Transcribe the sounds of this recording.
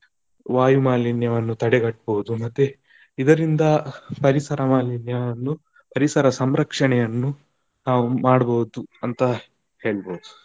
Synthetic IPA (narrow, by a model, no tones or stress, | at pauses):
ʋaːjumaːlinjɐʋɐnːut̪ɐɽɛɡɐʈ̚ːboːud̪umɐt̪ːu | id̪ɐɾind̪ɐpɐɾisɐɾɐmaːlinjɐʋɐnːu | pɐɾisɐɾɐsɐmɾɐkʂɐɳɛjɐnːu | naːʋumaːɽboːud̪uɐnt̪ɐ | heːɭboːd̪u